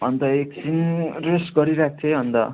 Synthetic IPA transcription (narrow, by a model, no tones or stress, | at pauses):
ɦʌnd̪ʌek̚sinresɡʌɾiɾak̚ʰt̪ʰeɦʌnd̪ʌ̰